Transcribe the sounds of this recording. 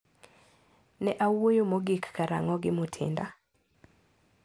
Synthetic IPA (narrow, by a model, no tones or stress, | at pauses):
nɛʔawojomoɡikːaɾa̰ŋɔɡɪmutʰɪ̰nda